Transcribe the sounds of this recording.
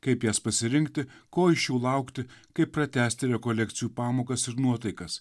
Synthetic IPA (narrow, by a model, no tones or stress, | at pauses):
kɐɪpjæːspɐsʲɪɾʲɪŋʲkt̪ʲɪkoːɪʃʲjɛʊlˠɐˑʊkt̪ʲɪkɐɪppɾɐt̪ʲæːsʲt̪ʲɪɾʲɛkoːlʲɛk̚t̪sʲɪjuːpɑːmoːkɐsɪɾnuɔt̪ɐɪkɐs